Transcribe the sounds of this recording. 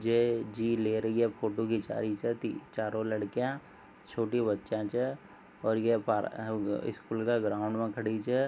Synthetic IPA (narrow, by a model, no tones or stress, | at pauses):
d͡ʒed͡ʒiːleɾɐɦiɦɛpʰoːʈokit͡ʃa̰ːɾit͡ʃʰɛt̪it͡ʃaːɾõləɽkijã | t͡ʃʰoːʈibətːʃãt͡ʃʰɛ | ɔːɾjepaɪ̰skuːlkaɡɾaːʊ̃ɳɖmẽkʰəɽit͡ʃʰɛ